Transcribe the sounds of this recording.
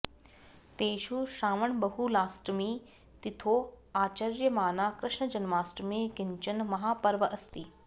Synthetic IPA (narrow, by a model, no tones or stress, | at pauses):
t̪eːʃuʃaːməɳbɐɦulaːsʈmiː | t̪it̪ʰoːaːt͡ʃaɾjɐmaːnaːkɾɪʃɳəd͡ʒɐnmaːsʈmekɪɲt͡ʃɐnmɐɦaːpɐɾʋəʔɐst̪iː